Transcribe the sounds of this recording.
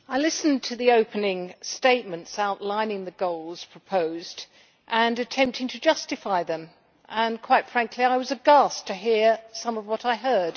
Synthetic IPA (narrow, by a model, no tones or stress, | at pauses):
aɪlɪsntʰɨðioʊpɨnɪ̃ŋsteɪt̚mɨ̃ntsaʊʔˡlãɪ̃nɪ̃ŋðɨɡoʊlˠz̥pʰɹ̥əpʰoʊzd | ʔɨ̃nɨtʰɛ̃mp̚tʰɪ̃ŋtʰɨd͡ʒʌstɨfaɪðɨ̃m | ʔə̃nkʰw̥aɪtfɹ̥æ̃ŋkʰliaɪwʌzɨɡɑstʰɨɦiɹsʌ̃mʌvwʌɾaɪɦɜ˞d̥